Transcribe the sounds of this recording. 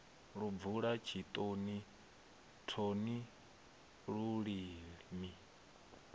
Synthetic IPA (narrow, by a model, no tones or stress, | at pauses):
ɺub̪vuɺat͡ʃʰit̪ʼoni | tʰoni | ɺuɺiːmi